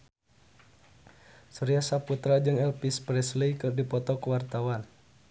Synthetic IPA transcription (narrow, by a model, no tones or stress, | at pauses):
suɾiasaput̪ɾad͡ʒɨŋɛlpispɾɛslejkɨrdipɔt̪ɔkəwart̪awan